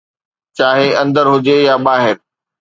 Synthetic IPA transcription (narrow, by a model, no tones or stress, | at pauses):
t͡ɕaːɦeɐ̃nd̪əɾɦʊd͡ʑejaɓaːɦɪɾ